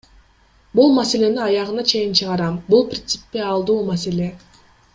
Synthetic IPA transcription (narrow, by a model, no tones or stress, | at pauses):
bulˠmase̞le̞niɑjɑʁɯnɑt͡ʃʰe̞jint͡ʃʰɯʁɑɾɑmbulˠprʲɪnt̪sɨ̥pːeɑlˠd̪uːmase̞le̞